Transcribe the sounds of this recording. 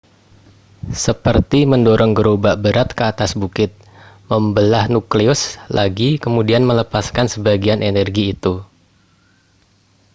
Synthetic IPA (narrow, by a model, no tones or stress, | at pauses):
səpərt̪iməndoɾɔŋɡəɾobaʔbəɾat̪̚kəat̪asbukɪt̪̚ | məmbəlahnukliʊslʔaɡikəmudianmələpaskansəbaɡianʔenɛrɡiːt̪u